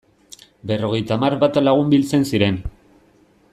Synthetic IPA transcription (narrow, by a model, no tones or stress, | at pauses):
be̞ro̞ɣ̞e̞jt̪amaɾβat̪alaɣ̞umbilt͡se̞nsiɾe̞n